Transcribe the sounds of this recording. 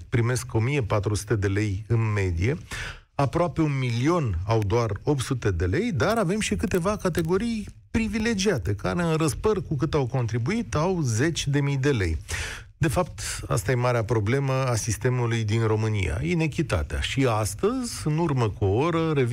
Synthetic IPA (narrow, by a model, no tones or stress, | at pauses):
pɾime̞sko̞mije̞pat̪ɾusu̥t̪e̞d̪e̞le̞jɨnme̞d̪ije̞ | apɾoape̞unmilio̞nawd̪oaro̞p̚t̪sut̪e̞d̪e̞le̞jd̪aɾave̞mʃikɨt̪e̞vakat̪e̞ɡo̞ɾij | pɾivile̞d͡ʒiat̪e̞ka̰ɾe̞ɨnɾəspərkukɨt̪awko̞nt̪ɾibuit̪awze̞t͡ʃʲd̪e̞mijd̪e̞le̞̰j | d̪e̞fap̚t̪a̰st̪aje̞maɾeapɾo̞ble̞məasist̪e̞mulujd̪inro̞mɨnḭja̰ine̞kʲit̪a̰t̪ea̰ʃiast̪əzʲɨnurməkuoo̞ɾəɾe̞v